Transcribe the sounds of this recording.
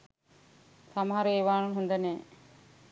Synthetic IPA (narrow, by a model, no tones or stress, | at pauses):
samɐɦaɾəeːʋaːnuɦund̪ɐne